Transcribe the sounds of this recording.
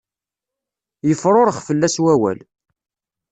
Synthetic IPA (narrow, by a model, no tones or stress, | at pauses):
jəfɾˤoɾəχfəlːæswæwæ̰l